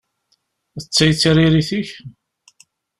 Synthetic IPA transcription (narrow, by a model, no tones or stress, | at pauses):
ət͡sːæjt͡sːɾiɾiθiç